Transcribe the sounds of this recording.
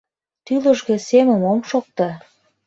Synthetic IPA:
t̪ylə̆ʒɣĕseməmomʃok̚t̪ɑ

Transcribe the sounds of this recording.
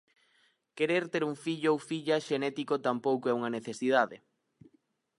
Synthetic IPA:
keɾeɾt̪eɾuŋfiʎowfiʎaʃenɛt̪ikot̪ampowkoɛuŋɐneθesiðaðḛ

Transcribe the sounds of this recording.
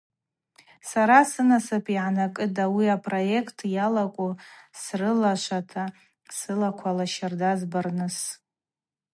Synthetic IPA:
saɾasɨnasɨpʰʼiʕanakʼɨdawiapʼro̞je̞kʰtʰjalakʷʼusrɨlaʃʷatʰa | sɨlakʷʰalaʃardazbarnɨs

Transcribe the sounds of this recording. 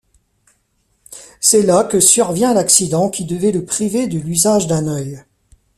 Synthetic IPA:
sɛlakəsyʁvjɛ̃laksid̪ɑ̃kʲʰid̪əvɛləpχived̪əlyzaʒd̪ɛ̃nœj

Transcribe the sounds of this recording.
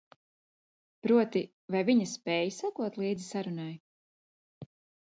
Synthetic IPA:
pɾuɔt̪i | vajviɲaspɛːjsakuɔt̪lˠiːd̪zisaɾunaj

